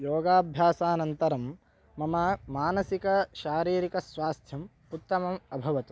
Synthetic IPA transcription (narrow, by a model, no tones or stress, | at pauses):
joːɡaːbʱjaːsaːnɐnt̪ɐɾɐmː | ɐmɐmaːnɐsikɐʃaːɾiːɾikɐsʋaːst̪ʰjɐm | put̪ːɐmɐmɐbʱɐʋɐt̪u